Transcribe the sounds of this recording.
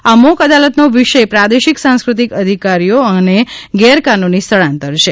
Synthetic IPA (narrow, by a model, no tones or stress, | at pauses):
amokəd̪alət̪noʋiʃəpɾad̪eʃiksãnskɾut̪ikəd̪ʱikaɾijoəneɡɛɾkanonist̪ʰəɭãnt̪əɾʃe